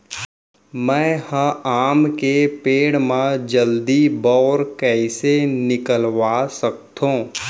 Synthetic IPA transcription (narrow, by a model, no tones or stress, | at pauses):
mɛ̃ːhə̃aːmkepeːɽmãd͡ʒəld̪ibɔːɾkɛːsenɪkəlʋaːsək̚t̪õː